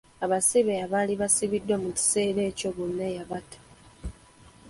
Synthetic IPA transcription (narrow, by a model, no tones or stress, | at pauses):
aβasiβeaβaːliβasiβidwamuci̥se̞ːɾe̞ːco̞βonːajaβatḁ